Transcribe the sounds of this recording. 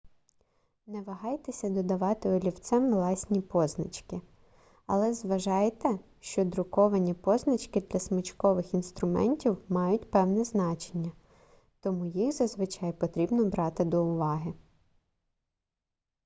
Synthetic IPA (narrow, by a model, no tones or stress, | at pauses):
nɛʋɐɦɑjt̪esʲɐd̪ɔd̪ɐʋɑt̪ɪɔlʲiwt̪sɛmlˠɑsʲnʲipɔznɐ̰t͡ʃkɪ | ɐlˠɛzʋɐʒɑjt̪ɛ | ʃt͡ʃɔd̪ɾʊkɔʋɐnʲipɔznɐt͡ʃkɪd̪lʲɐsmɐt͡ʃkɔʋɪxinst̪ɾʊmɛ̰nʲtʲiwmɑjʊtʲpɛwnɛznɑt͡ʃenʲːɐ | t̪ɔmujixzɐzʋɪt͡ʃɑjpɔt̪ɾʲibnɔbɾɑt̪ɪd̪ɔʊʋɑɦɪ